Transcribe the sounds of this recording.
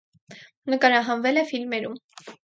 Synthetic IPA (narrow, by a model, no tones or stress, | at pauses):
nəkɑɾɑɦɑnvɛlɛfilmɛɾum